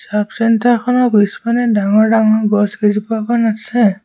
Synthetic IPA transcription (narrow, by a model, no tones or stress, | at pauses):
sapsintʰakʰɔnɔbispanɛdaŋɔɹdaŋɔbɔsɡezipakanasɛ